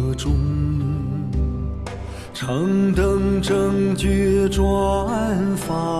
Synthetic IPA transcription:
ʈ͡ʂʊ˥ŋ | ʈ͡ʂʰɤ˧˥ŋt̪ə˧ŋʈ͡ʂə˧ŋt͡ɕy˥ʈ͡ʂwɔ˥a˥˧nfa˧

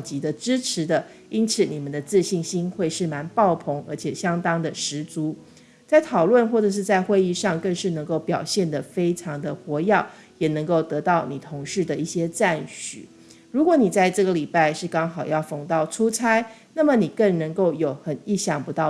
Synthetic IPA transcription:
t͡ɕi˧˥d̪ə˨˧ʈ͡ʂɻ̩˥ʈ͡ʂʰɻ̩˧˥d̪ə˧ | i˥nt͡sʰɹ̩˨˩ni˨˩mə˦nd̪ə˩t͡sɹ̩˥˧ɕi˥˩ŋɕi˥nxwe˥˧ɪʂɻ̩˥˩ma˧˥npɑ˥˩ʊpʰo˧˥ŋə̰˞˧˥t͡ɕʰjɛ˨˩ɕjɑ˥ŋt̪ɑ˥ŋd̪ə˨ʂɻ̩˧˥t͡su˧˥ | t͡sa˥˩ɪt̪ʰɑ˨˩ʊlwə˥˧nxwɔ˥˩ʈ͡ʂɤ˨˩ʂ̬ɻ̩˥˧t͡sa˥˧ɪxwe˥˧ɪi˥˧ʂɑ˥˧ŋkə˥˧ŋʂɻ̩˥˩nɤ˧˥ŋko˥˩ʊpjɑ˨˩ʊɕjɛ˥˩nd̪ə˩fe˥ɪʈ͡ʂʰɑ˧˥ŋd̪ə˧xwɔ˧˥jɑ˥˩ʊ | jɛ˨˩nə˧˥ŋko˥˩ʊt̪ɤ˧˥t̪ɑ˥˩ʊni˨˩t̪ʰʊ˧˥ŋʂɻ̩˥˩d̪ə˩i˥˩ɕjɛ˥t͡sa˥˩nɕy̰˨˩˦ | ɻu˧˥kwɔ˧˥ni˨˩t͡sa˥˧ɪʈ͡ʂɤ˥˩ɡə˩li˨˩pa˥˧ɪʂɻ̩˥˩kɑ˥ŋxɑ˨˩ʊjɑ˥˩ʊfo˨˩ŋt̪ɑ˥˩ʊʈ͡ʂʰu˥t͡sʰa˥ɪ | na˥˩mə˨˩ni˨˩kə˥˩ŋnə˧˥ŋko˥˩ʊjo˨˩ʊxə˨˩ni˥˩ɕjɑ˥˩ŋpu˧˥t̪ɑ˥˩

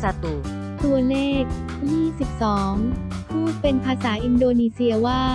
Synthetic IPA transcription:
sa˧t̪u˨˩ | t̪u˧əleː˥˩k̚ | jiː˥˩si˨˩p̚sɔː˩˦ŋ | pʰuː˥˩pe˧npʰaː˧saː˩˦ʔi˧ndoː˧niː˧si˧əwaː˥˩

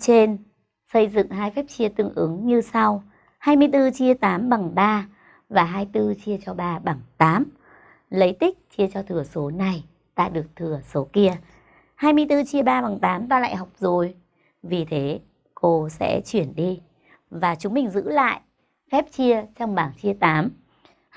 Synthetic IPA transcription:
t͡ɕe˧n | sə˧jzɨ̰˧˨ŋɦaː˧jfɛ˦˥p̚t͡ɕi˧ət̪ɨ˧˩əŋʔɨ˨˦ŋɲɨ˧sa˧w | haː˧jmɨ˧əjt̪ɨ˧t͡ɕi˧ət̪aː˨˦mɓa˨˩ŋɓaː˧ | vaː˨˩ɦaː˧jt̪ɨ˧t͡ɕi˧ət͡ɕɔ˧ɓaː˧ɓa˨˩ŋt̪aː˨˦m | lə˨˦jt̪ï˦˥k̟̚t͡ɕi˧ət͡ɕɔ˧t̪ʰɨ˨˩əso˨˦na˧j | ɗ̪a̰ː˧ɗɨ˨˩ək̚t̪ʰɨ˨˩əso˨˦ki˧ə | haː˧jmɨ˧əjt̪ɨ˧t͡ɕi˧əɓaː˧ɓa˨˩ŋt̪aː˨˦mt̪aː˧la̰ː˧˨jɦa˨˩wk͡p̚zo˨˩j | vi˨˩t̪ʰe˨˦ | ko˧sɛ̰˧˥t͡ɕwi˧˩ənɗi˧ | vaː˨˩t͡ɕʊ˨˦ŋ͡mmï˨˩ŋ̟zɨ̰˧˥la̰ː˧˨jʔ | fɛ˦˥p̚t͡ɕi˧ət͡ɕɔ˧wŋ͡mɓaː˧˨˩ŋt͡ɕi˧ət̪aː˨˦m

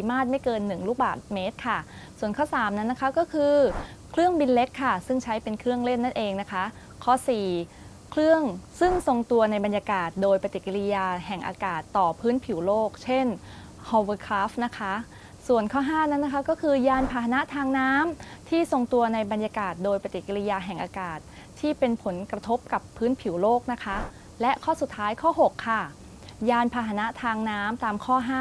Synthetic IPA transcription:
i˨˦maː˥˩t̪̚ma˥˩jkɤː˧nːɯ˨˩ŋluː˦˥˩baː˨˩t̪̚meː˦˥t̪̚kʰa˥˩ | su˨˩ənkʰɔː˥˩saː˩˦mna˦˥nːa˦˥kʰa˦˥kɔː˥˩kʰɯː˧kʰlɯ˥˩əŋbi˧nle˦˥kʰːa˥˩sɯ˥˩ŋt͡ɕʰa˦˥jpe˧nkʰɾɯ˥˩əŋle˥˩nːa˥˩nʔeː˧ŋna˦˥kʰa˦˥ | kʰɔ˦˥siː˨˩ | kʰlɯ˥˩əŋsɯ˥˩ŋso˧ŋt̪u˧ɐna˧jba˧njaː˧kaː˨˩t̪̚doː˧jpa˧t̪i˨˩ki˧li˧˥jaː˧ɦɛ˨˩ŋʔa̰ː˧kaː˨˩t̪ːɔː˨˩pʰɯː˦˥npʰi˨˩˦wloː˥˩k̚t͡ɕʰe˥˩n | ho˧wɤː˧kʰɾaː˦˥f̚na˦˥kʰa˦˥ | su˨˩ənkʰɔː˥˩ɦaː˥˩na˦˥nːa˧˥kʰa˦˥kɔː˥˩kʰɯː˧jaː˧npʰaː˧ɦa˧na˦˥ʔt̪ʰaː˧ŋnaː˦˥mt̪ʰiː˥˩so˧ŋt̪u˧ɐna˧jba˧nja˧kaː˨˩t̪̚doː˧jpa˧t̪i˨˩ki˧li˧jaː˧ɦɛ˨˩ŋʔaː˧kaː˨˩t̪̚ʰːiː˥˩pe˧npʰo˩˦nkɾa˧t̪ʰo˦˥p̚ka˨˩pʰːɯː˦˥npʰi˩˦wloː˥˩k̚na˦˥kʰa˦˥ | lɛ˦˥ʔkʰɔː˥˩su˨˩t̪ʰːaː˦˥jkʰɔː˥˩ɦo˨˩kʰːa˧˩ | jaː˧npʰaː˧ɦa˧na˦˥ʔt̪ʰaː˧ŋnaː˦˥mt̪aː˧mkʰɔː˥˩ɦaː˥˩

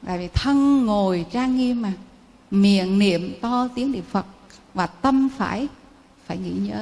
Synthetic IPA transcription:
t̪a̰ː˧˨jvi˨˩t̪ʰə˧ŋːo˨˩jt͡ɕaː˧ŋŋi˧əmːaː˨˩ | mḭ˧˨ənnḭ˧˨əmt̪ɔ˧t̪i˨˦əŋɗḭ˧˨ə˨fə˨˩t̚ | vaː˨˩t̪ə˧mfa̰ː˧˩j | faː˧˩jŋḭ˧˥˨ɲəː˨˦

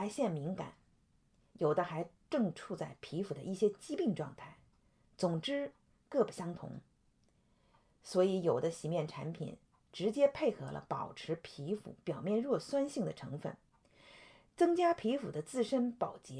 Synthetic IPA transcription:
a˧˥ɪɕjɛ˥˩nmi˧˥ŋka̰˨˩˦n | jo˨˩ʊd̪ə˦xa˧˥ɪʈ͡ʂɤ˥˧ŋʈ͡ʂʰu˥˧t͡sa˥˩ɪpʰi˧˥fu˨˩d̪ə˦ʔi˥˩ɕjɛ˥t͡ɕi˥pi˥˧ŋʈ͡ʂwɑ̰˥˧ŋt̪ʰa˥˩ɪ | t͡sʊ˨˩ŋʈ͡ʂɻ̩˥ | kɤ˥˩bu˨˩ɕjɑ˥ŋt̪ʰʊ̰˧˥ŋ | swɔ˧˥i˧˥jo˨˩ʊd̪ə˦ɕi˨˩mjɛ˥˩nʈ͡ʂʰa̰˧˥npʰḭ˨˩n | ʈ͡ʂɻ̩˧˥t͡ɕjɛ˥pʰe˥˩ɪxɤ˧˥lə̰˧pɑ̰˨˩ʊʈ͡ʂʰɻ̩˧˥pʰi˧˥fṵ˧˩pjɑ˨˩ʊmjɛ˥˧nɻwɔ˥˩swa˥nɕi˥˩ŋd̪ə˩ʈ͡ʂʰɤ˧˥ŋfə̰˥˩n | t͡sɤ˥ŋt͡ɕja˥pʰi˧˥fu˨˩d̪ə˦t͡sɹ̩˥˩ʂə˥npɑ˨˩ʊt͡ɕjɛ˧˥

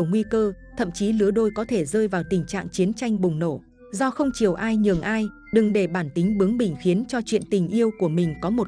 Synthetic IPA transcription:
ŋwi˧kəː˧t̪ʰə̰˧˨mt͡ɕi˨˦lɨ˨˦əɗo˧jkɔ˨˦t̪ʰe˧˩zəː˧jvaː˨˩wt̪ï˨˩ŋ̟t͡ɕa̰ː˧˨ŋt͡ɕi˨˦ənt͡ɕa˧jŋ̟ɓʊ˨˩ŋ͡mno˧˩ | zɔ˧xə˧wŋ͡mt͡ɕi˨˩əwʔaː˧jɲɨ˨˩ŋʔaː˧j | ɗɨ˨˩ŋɗe˧˩ɓaː˧˩nt̪ï˨˦ŋ̟ɓɨ˨˦əŋɓï˨˩ŋ̟xi˨˦ənt͡ɕɔ˧t͡ɕwḭ˧˨ənt̪ï˨˩ŋ̟ʔi˧əwku˧˩əmï˨˩ŋ̟kɔ˨˦mo˨˩t̚

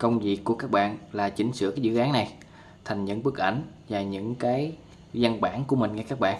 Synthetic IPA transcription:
kə˧wŋ͡mvi˨˩əkːu˧˩əkaː˦˥k̚ɓa̰ː˧˨nlaː˨˩t͡ɕï˨˧˦ŋ̟sɨ̰˧˨əkaː˨˦jzɨ̰˧˨ʔaː˨˦ŋna˨˩j | t̪ʰa˨˩jŋ̟ɲə̰˧˥nɓɨ˦˥k̚ʔa˧˩jŋ̟ | vaː˨˩ɲɨ̰˧˥ŋkaː˨˦j | zə˧nɓaː˧˩nku˧˩əmï˨˩ŋ̟ŋa˧jkaː˦˥k̚ɓa̰ː˧˨n

